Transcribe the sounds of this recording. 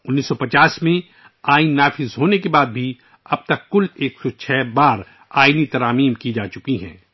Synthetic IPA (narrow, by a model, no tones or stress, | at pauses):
ʊnːiːsːɔpɐt͡ʃaːsmẽ | aːɪnːaːfɪzɦoːnekebaːd̪̚bʱi | ɐb̚t̪ɐkːʊleːksɔt͡ʃʰɛːbaːɾ | aːɪnit̪ɐɾaːmiːmkid͡ʒaːt͡ʃʊkiɦɛ̰̃ː